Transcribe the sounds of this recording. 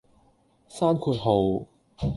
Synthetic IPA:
saː˥nkʰu˧t̚ɦo˨˧w

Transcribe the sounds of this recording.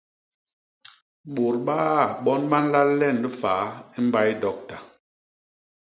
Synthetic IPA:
ɓo˨ɾɓaː˦˨ɓɔ˦nɓa˦n˦la˦llɛ˦˨n˨bə˦faː˨˦i˦m̩˦ba˦jdɔ˨k̚ta˨

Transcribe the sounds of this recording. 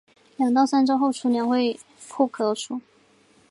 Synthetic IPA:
ljɑ˨˩ŋt̪ɑ˥˩ʊsa˥nʈ͡ʂɑ˥ʊxo˥˩ʊʈ͡ʂʰu˧˥njɛ˧˥nxwe˥˧ɪ | pʰu˥˩kʰɤ˧˥ʈ͡ʂʰu˥

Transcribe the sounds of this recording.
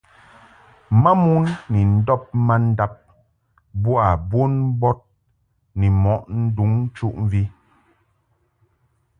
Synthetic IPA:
ma˦mu˦nːi˨n̩˦dɔ˦p̚ma˦n̩˦da˦p̚ | bwa˨bo˦nbɔ˦t̚ | nɛ˨mɔ˨˦ʔn̩˦du˨˦ŋ̩˦t͡ʃu˦ʔɱ̩˦vi˦

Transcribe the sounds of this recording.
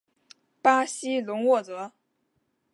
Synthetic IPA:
pa˥ɕi˥lʊ˧˥ŋwɔ˥˩t͡sɤ˧˥

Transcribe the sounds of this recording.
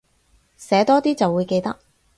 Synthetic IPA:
sɛː˨˥t̪ɔː˥t̪iː˥t͡sɐ˨wːuː˨˧jke˧jt̪ɐ˥k̚

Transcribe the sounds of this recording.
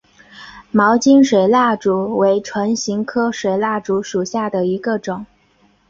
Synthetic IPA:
mɑ˧˥ʊt͡ɕi˥nʂwe˨˩ɪla˥˩ʈ͡ʂu˨˥˩we˧˥ɪʈ͡ʂʰwə˧˥nɕi˧˥ŋkʰɤ˥ʂwe˨˩ɪla˥˩ʈ͡ʂu˧˥ʂu˨˩ɕja˥˩d̪ə˩i˧˥ɡə˧ʈ͡ʂʊ˨˩˦ŋ

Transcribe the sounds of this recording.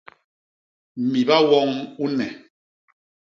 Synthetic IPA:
mi˨ba˦wɔ˦ŋu˦nɛ˨

